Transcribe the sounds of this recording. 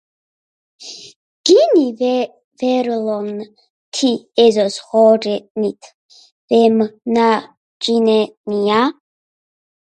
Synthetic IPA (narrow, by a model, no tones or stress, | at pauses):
ɡ̥inivɛ | vɛɾilɔŋn | tʰiezosχɔrenitʰ | vemna | d͡ʒinenija